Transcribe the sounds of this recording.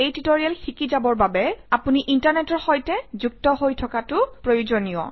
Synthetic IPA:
ejtitoɹialxikizabɔɹbabɛapuniʔintaɹnɛtɔɹxɔjtɛzuk̚tɔɦojtʰɔkatʊpɹojuzɔnijɔ̰

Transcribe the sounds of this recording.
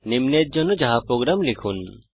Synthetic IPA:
nimnet̪̚d͡ʒɔnɔd͡ʒaɦapɾoɡɾamlikʰun

